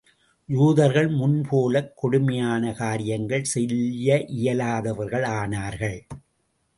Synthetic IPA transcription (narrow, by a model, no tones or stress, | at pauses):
juːðɐɾɣɐɭmʊnpʰoːlɐkːɔɽʊmɐjaːnɐkaːɾɪjɐŋɡɐɭsɛljɐʔɪjɐlaːðɐʋɐɾɣɐɭaːnaːɾɣɐɭ